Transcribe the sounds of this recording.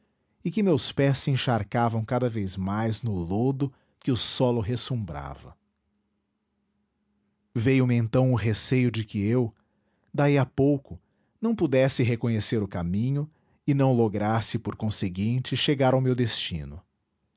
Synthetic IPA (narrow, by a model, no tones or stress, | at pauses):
ɪkɪmewspɛsẽʃaɾkavɐ̃w̃kad̪ɐvejzmajznʊlod̪ʊ | kɪʊsɔlʊɦesũmbɾa̰vɐ̰ | vejʊmɪẽnt̪ɐ̃w̃ʊɦesejʊd͡ʒɪkɪew | d̪aiapowkʊ | nɐ̃w̃pud̪ɛsɪɦekõɲeseɾʊkamĩɲʊ | ɪnɐ̃w̃loɡɾasɪpoɾkõseɡĩnt͡ʃɪʃeɡaɾawmewd̪est͡ʃḭ̃nʊ̰